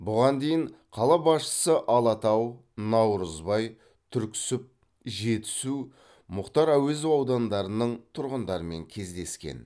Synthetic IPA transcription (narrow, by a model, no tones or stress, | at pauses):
bʊʁɑnd̪e̞jɪɴqʰɑlˠɑbɑsʃə̥səʔɑlˠɑt̪ɑw | nɑwɾəzbɑj | t̪ʰʏɾkʲɪ̥sɪp̚ | ʒe̞t̪ɪ̥su | mʊqt̪ɑɾæwezɪwɑwd̪ɑnd̪ɑɾənəɴt̪ʰʊɾʁənd̪ɑɾəme̞̰ŋkʲʰe̞zd̪e̞skʲḛn